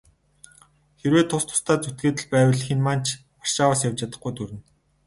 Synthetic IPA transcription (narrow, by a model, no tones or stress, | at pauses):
xeɾweːt̪ʰːʊst̪ʰʊ̥st̪aːt͡sut̪̚ɡeːt̪ɘ̆ɮpæːwə̆ɮxinmaːn̥t͡ɕʰ | ar̥ʃaːwaːsjawt͡ɕat̪ə̆χɡujt̪uɾɘ̆n